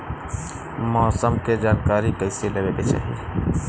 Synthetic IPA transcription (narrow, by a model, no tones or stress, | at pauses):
mɔːsəmked͡ʒaːnkaːɾikəɪselebebet͡ʃa̰ːɦḭe